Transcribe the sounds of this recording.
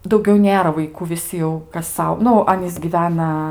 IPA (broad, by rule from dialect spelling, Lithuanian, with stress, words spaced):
dɐʊˈɡʲɛʊ ˈnʲeːrɐ ʋɐɪˈkuː ʋʲɪˈsʲɪ jɛʊ kɐs ˈsɐʊ ˈnʊ ˈɑːnʲiːs ɡʲiːˈʋʲæːnɐ